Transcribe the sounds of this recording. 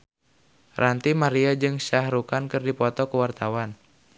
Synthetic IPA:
rant̪imaɾiad͡ʒɨŋʃahɾukankɨrdipɔt̪ɔkuwart̪awan

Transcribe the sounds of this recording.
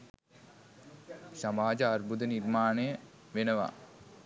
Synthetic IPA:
samaːd͡ʒəarbud̪ənirmaːnəjə | ʋenəʋa̰

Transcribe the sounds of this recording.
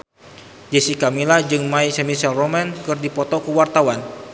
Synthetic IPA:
d͡ʒɛsikamilad͡ʒɨŋmaisɛmisɛlromɛnkɨrdipɔt̪ɔkuwart̪awan

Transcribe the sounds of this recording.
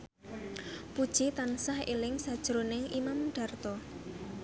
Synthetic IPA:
pud̥ʒ̥it̪ansahḛlɪŋsad̥ʒ̥ɾonɪŋʔimamɖ̥a̤rt̪ɔ

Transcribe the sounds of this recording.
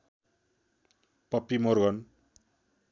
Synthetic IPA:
pʌpːimorɡʌn

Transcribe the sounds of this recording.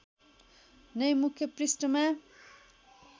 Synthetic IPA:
nʌjmukʰjʌprisʈʌma

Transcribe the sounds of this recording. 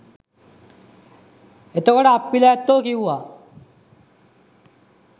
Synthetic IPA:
et̪okɔɽaːpːilat̪ːokiɦua

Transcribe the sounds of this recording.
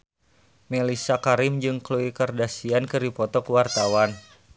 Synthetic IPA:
melisakaɾɪmd͡ʒɨŋkluikərdasiankɨɾipɔt̪ɔkəwart̪awan

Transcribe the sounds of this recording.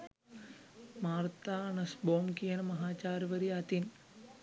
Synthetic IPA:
maːɾt̪aɐɳɐsboːmkijɐnɐmɐɦaːt͡ʃaːɾʋɐɾiat̪in

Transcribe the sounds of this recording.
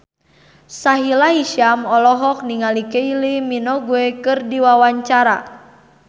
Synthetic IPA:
saɦilaiʃiamɔlɔɦɔk̚niŋalikeiliminɔɡuɛkɨrdiwawaɲt͡ʃaɾa̰

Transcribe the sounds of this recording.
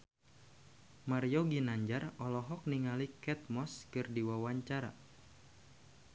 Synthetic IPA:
marjoɡinaɲd͡ʒarɔlɔɦɔk̚niŋalikɛt̪̚mɔskɨrdiwawaɲt͡ʃaɾa̰

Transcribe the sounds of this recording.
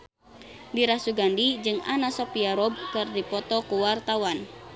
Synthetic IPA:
diɾasuɡandid͡ʒɨŋanasɔpiaɾɔb̚kɨrdipɔt̪ɔkuwart̪awan

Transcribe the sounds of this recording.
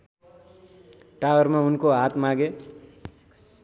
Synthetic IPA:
ʈawʌrmaunkoɦat̪maɡe

